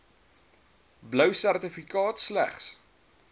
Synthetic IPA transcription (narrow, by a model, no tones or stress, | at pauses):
bləwsærtəfikɑːtslæ̰χs